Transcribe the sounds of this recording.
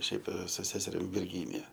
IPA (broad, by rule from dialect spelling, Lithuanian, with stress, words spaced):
ˈʃʲɛɪp sʊ ˈsʲæːsʲɛrʲɪm ʋʲɪrʲˈɡʲiːnʲɪjɛ